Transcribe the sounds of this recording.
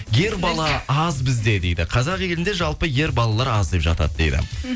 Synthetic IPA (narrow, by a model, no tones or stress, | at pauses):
je̞ɾbɑlˠɑɑzbɪzd̪e̞d̪e̞jd̪ɪqʰɑzɑqje̞lɪnd̪e̞ʒɑlˠpəje̞ɾbɑlˠɑlˠɑɾɑzd̪e̞pʒɑ̰t̪ɑ̰d̪əd̪e̞̰jd̪ɪ̰